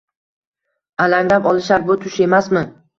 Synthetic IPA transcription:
alaŋlapɒlˠɪʃaɾbʊt̪ʰʊʃe̞masmɪ

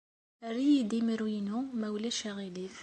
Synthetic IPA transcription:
ɾijid̪iməɾwinumæwlæʃæʁilif

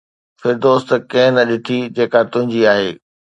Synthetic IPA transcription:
fɪɾd̪oːst̪kɐ̃ɦnɐɗɪt̪ʰid͡ʑeːkat̪ʊ̃ɦɪ̃ɲd͡ʑiaːɦeː

